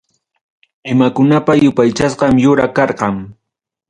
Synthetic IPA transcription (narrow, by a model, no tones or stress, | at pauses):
ɪmakʊnapajʊpajt͡ʃasqɑmjʊɾakɑɾqɑŋ